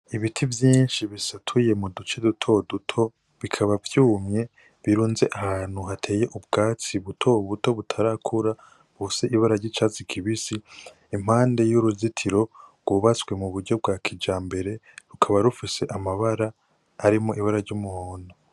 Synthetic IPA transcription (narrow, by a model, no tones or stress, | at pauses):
iβitʰivjiːnʃiβisatʰuje̞mudut͡ʃe̞dutʰo̞dutʰo̞ | βikʰaβavjuːmɲe̞ | βiɾuːnze̞ʔahaːn̥huɦatʰe̞ːje̞ʔub̚ɡaːt͡siβutʰo̞βuto̞βutʰaɾakʰuɾa | βuseʔiβaɾaɾɟit͡ʃat͡sikʰiβisi | im̥haːnde̞juɾuzitʰiɾo̞ɾɡ̥uβat͡swe̞muβuɾɟo̞b̚ɡakʰid͡ʒaːmbe̞ɾe̞ɾukʰaβaɾufise̞ʔamaβaɾaː | ɾimo̞ʔiβaɾaɾɟumuhoːno